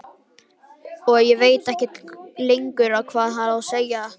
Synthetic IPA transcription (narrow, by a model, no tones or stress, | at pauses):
ɔjɛveːjt̪ɛhcɛt̪lejŋkʏɾawkʰvaːðɦaɾawseːja